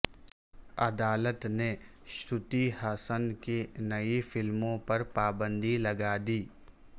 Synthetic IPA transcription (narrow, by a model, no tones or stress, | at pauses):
ɐd̪aːlət̪ne | ʃɾʊt̪ihaːsənkenɐifɪlmõpɐɾpaːbə̃nd̪ʱilɐɡaːd̪iː